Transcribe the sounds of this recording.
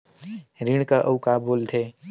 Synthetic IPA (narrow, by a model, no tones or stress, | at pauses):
ɾɪɽ̃kaʔəʊkaboːlt̪ʰe